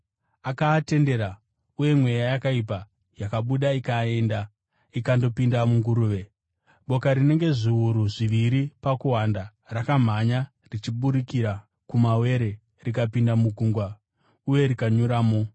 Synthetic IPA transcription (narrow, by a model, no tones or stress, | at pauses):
akaːte̞nde̞ɾa | uje̞mwejajakaip̬a | jakaɓuɗaikae̞nda | ikando̞pindamuŋɡuɾuːʋe̞ | ɓo̞kaɾine̞ŋɡe̞ʐiuɾuʐiʋiɾipakuwanda | rakam̤aɲa | rit͡ʃiɓuɾikiɾa | kumawe̞ɾe̞ | rikapindamuɡʱuŋɡwa | uje̞ɾikaɲuɾaːmo̞